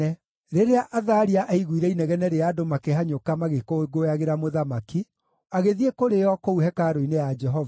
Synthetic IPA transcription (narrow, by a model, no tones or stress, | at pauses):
ɛ | ɾeɾeaʔaðaɾiaʔaiɣwiɾɛinɛɣɛnɛɾeadomakeɦaɲokamaɣekoeɡojaɣeɾamoðamaki | aɣeðiekoɾejɔkouɦɛkaɾoinejad͡ʒɛɦɔv